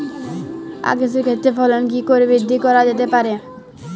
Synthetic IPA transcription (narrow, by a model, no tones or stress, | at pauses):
a̰ɡes̬eɾkʰet̪ːɾefɔlonk̬ikoɾebid̪ʱːikɔɾad͡ʑet̪̬epaɾe